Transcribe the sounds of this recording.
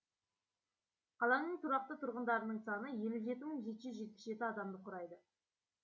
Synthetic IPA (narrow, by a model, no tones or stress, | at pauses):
qʰɑlˠɑnəɴt̪ʰʊɾɑq̚t̪ət̪ʰʊɾʁənd̪ɑɾənəɴsɑnəje̞lɪʒe̞t̪ɪməɴʒe̞t̪ɪʒʏzʒe̞t̪̚pɪ̥sʒe̞t̪ɪɑd̪ɑmd̪əqʰʊɾɑjd̪ə